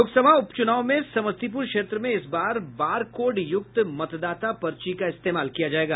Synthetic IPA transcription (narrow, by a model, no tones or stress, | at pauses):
oːksɐbʱaʊpt͡ʃʊnaːõmẽsɐməst̪ip̬ʊɾkʃeːt̪ɾəmẽɪsbaːɾbaːɾkoːɖjʊk̚t̪mɐt̪d̪aːt̪apɐɾt͡ʃikaɪst̪eːmaːlkijad͡ʒaːeːɡaː